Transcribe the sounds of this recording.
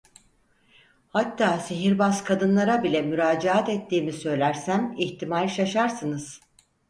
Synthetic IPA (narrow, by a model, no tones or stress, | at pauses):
hat̪ʰːaːsiɦiɾbaskʰad̪ɯnlˠaɾabilʲɛmyɾaːd͡ʒaat̪ɛt̪ʰːiːmisø̞jlʲæɾsæmiçt̪ʰimalʲʃaʃaɾsɯnɯz̥